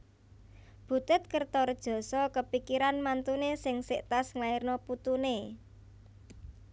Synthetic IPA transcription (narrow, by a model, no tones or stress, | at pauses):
b̥ṳt̪ɪt̪̚kərt̪ɔrd̥ʒ̥ɔ̤sɔkəpikiɾanmant̪unesɪŋsɪʔt̪asŋlairnɔput̪une